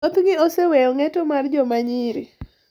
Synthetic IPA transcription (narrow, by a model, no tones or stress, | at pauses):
ot̪ɡɪosɛwɛjɔŋɛtɔmard͡ʒɔmaɲɪɾi